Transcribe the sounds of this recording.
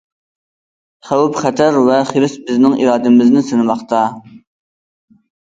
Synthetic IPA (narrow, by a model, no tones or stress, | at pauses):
χæwupχɛt̪ʰæɾvɛχeɾɪsbɪznɪŋʔḭɾɑːd̪ɪmɪznɪsɨnɨmɑχt̪ɑ